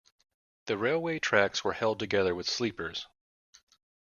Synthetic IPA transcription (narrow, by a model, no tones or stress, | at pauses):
ðɨɹeɪlˠweɪtʰɹ̥ækswə˞hɛlˠd̚tɨɡɛðə˞wɨð̥slipə˞z̥